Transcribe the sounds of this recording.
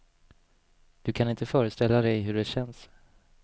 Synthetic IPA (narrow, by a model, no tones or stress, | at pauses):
d̪̥ɵkʰanɪnt̪əfœːɾəst̪ɛlːad̪ɛjɦɵɖɛɕɛns